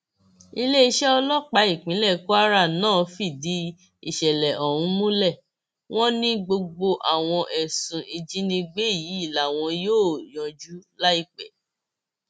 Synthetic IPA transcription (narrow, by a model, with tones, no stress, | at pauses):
i˧le˦i˧ʃɛ˦ɔ˧lɔ˦k͡pa˨˦i˦˨k͡pĩ˨˦lɛ˦˨ko˦a˦ɾa˦˨nãː˦˨fi˦˨di˨˦ | i˦˨ʃɛ˨lɛ˨ʔɔ˨ũ˨˦mũ˦lɛ˦˨ | w̃ɔ̃˦nĩ˦ɡ͡bo˧ɡ͡bo˧ʔa˨w̃ɔ̃˧ʔɛ˨sũ˨i˨d͡ʒi˨˦nĩ˧ɡ͡be˦˨ji˨˦i˦˨la˨˦˨w̃ɔ̃˧joː˦˨jɔ̃˨d͡ʒu˨˦la˦i˦˨k͡pɛ˨